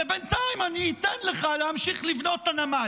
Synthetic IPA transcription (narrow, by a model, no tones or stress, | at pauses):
ebentaimaniitenleχalehamʃiχlivno̞tanama